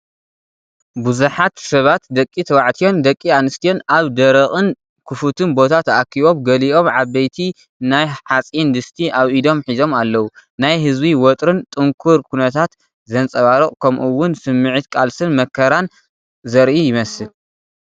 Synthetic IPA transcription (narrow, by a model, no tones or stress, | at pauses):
buzuħat̪sɐβat̪d̪ɐkʼːit̪ʰɐwaʕt̪ʰijo̞nd̪ɐkʼːianɨst̪ʰijo̞naβd̪ɐɾɐχʼɨn | kʰɨfut̪ʰɨnbo̞t̪ʰat̪ʔakʰːiβo̞mɡɐliʔo̞mʕaβɐjt̪ʰi | najħat͡sʼind̪ɨst̪ʰiʔaβid̪o̞mħizo̞malːɐwunajɦɨzbiwot̪ʼɾɨnt̪ʼɨŋkʰuɾkʰunɐt̪ʰat̪ | zɐnt͡sʼɐβaɾɨχʼkʰɐmʔuwːʊnsɨmːɨʕɨt̪kʼalsɨnmɐkʰːɐɾan | zɐɾʔijɪmɐsɨl